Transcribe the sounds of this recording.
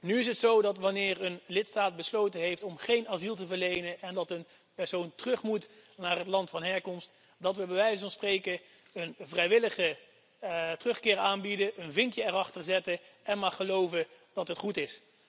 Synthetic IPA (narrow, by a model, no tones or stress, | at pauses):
nyɪs̬ɦətsowdɑtʋɑnɪːrənlɪtstaːt̚bəslowtənɦejftɔmχejnaːzilˠtəvəɹlejnənɛndɑtən | pɛɹsowntərɵχmutnaːrɦətlɑntfɑnɦɛɹkɔmst | dɑtʋəbəʋɛjsvɑnsprejkə | ənvrɛjʋɪləχə | tərɵχkɪːɹaːnbidəənvɪŋkjəɛrɑχtərzɛtəɛnmaːχəlowvə | d̥ɑtɦətχutɪs